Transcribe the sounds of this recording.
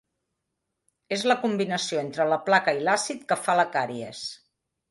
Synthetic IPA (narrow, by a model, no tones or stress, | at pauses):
ezləkumbinəsioent̪ɾələplakəilasit̪̚kəfaləkaɾiəs